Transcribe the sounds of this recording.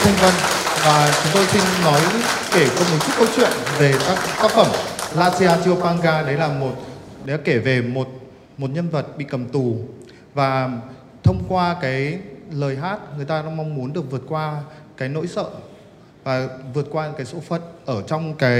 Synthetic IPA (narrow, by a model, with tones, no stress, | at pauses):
t̪ʰə˧ŋvə˧nvaː˨˩t͡ɕʊ˨˦ŋ͡mt̪o˧jsï˧ŋnɔ˨˦jke˧˩t͡ɕɔ˨˧˩mo˨˩t̚t͡ɕt̚kə˧wt͡ɕwḭ˧˨ənve˨˩t̪aː˦˥k̚t̪aː˦˥k̚fə˧˩mlaː˧si˧aː˧t͡ɕi˧ə˧wpaː˧ŋɣaː˧ɗə˨˦laː˨˩mo˨˩t̚ɗə˨˦˨ke˧˩ve˨˩mo˨˩t̚ | mo˨˩t̚ɲə˧nvə˨˩t̚ɓḭ˧˨kə˨˩mt̪u˨˩ | vaː˨˩ | t̪ʰə˧wŋ͡mkwaː˧kaː˨˦jləː˨˩jɦaː˦˥t̚ŋɨ˨˩əjt̪aː˧ɗa̰ː˧˥ma˧wŋ͡mmu˨˦ənɗɨ˨˩ək̚vət̚kwaː˧ | kaː˨˦jno̰˧˥jsə̰ː˧˨ | vaː˨˩vɨ˨˩ət̚kwaː˧˦kaː˨˦jso̰˧˥fə˨˩t̚ʔəː˧˩t͡ɕɔ˧wŋ͡mkaː˨˦j